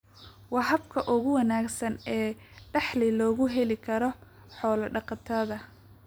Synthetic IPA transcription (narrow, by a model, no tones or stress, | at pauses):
wɑɦɐbkʰɐʔʊɣʊwɐnaːɡsɐnɛːɖɑħlɪlɔːɣʊɦɛlɪkʰɐɾɔ | ħɔːlɐɖɑqɑt̪ʰɐðɐ